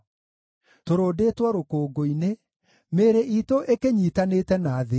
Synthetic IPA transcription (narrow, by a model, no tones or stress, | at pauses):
toɾoːdeːtwaɾokoːɡoine | meːɾeʔitoʔekeɲitaneːtɛnaːðe